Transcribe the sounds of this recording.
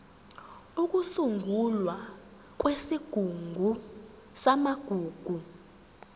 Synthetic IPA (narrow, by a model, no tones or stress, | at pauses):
uk̬ʼusuŋɡʱulwa | k̬wesiɡ̥ʱuŋɡʱu | samaɡ̥ʱuːɡ̥ʱu